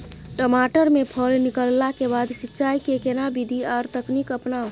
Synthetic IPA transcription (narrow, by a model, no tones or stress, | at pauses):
ʈəmaːʈəɾmẽpʰəlnɪkəlːakebaːd̪sɪtːt͡ʃaːikekenabid̪ʱiaːɾt̪əknikəpnaːo